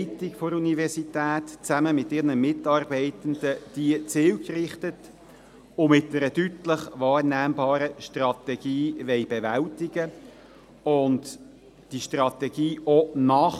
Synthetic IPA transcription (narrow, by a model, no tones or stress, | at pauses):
tɪkfoɾunivɛɾsitæːtt͡sæməmɪtɪʁnəmɪtɑːɾbɛɪtənd̥̪əd̥iət͡sɪːlkrɪχtət | ʊmɪt̚dɛɾətytləχvɑːɾnæːmbɑːɾəʃtrɑtɛɡ̥iːʋɛɪbɛvæltɪɡə | ʊnd | d̥iʃtrɑt̪ɛɡ̥iːʔɔnɑːχ